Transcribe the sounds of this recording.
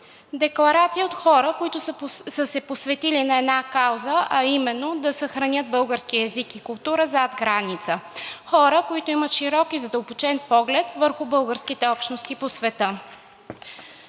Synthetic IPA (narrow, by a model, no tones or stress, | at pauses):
d̪ɛklˠɐɾat̪sijəot̪xɔɾəkoit̪ʊsəsɛposvɛt̪ilinɐɛd̪nakawzəʔɐimɛnːod̪ɐsəxɾɐnʲəd̪̚bɤlˠɡəɾskiəɛzikikʊlˠt̪uɾəzad̪ɡɾanit̪səxɔɾəkoit̪oimət̪ʃiɾɔkizɐd̪əlˠbot͡ʃɛnpɔɡlɛt̪vəɾxʊbɤlˠɡəɾskit̪ɛɔpʃt̪nost̪iposvɛt̪ə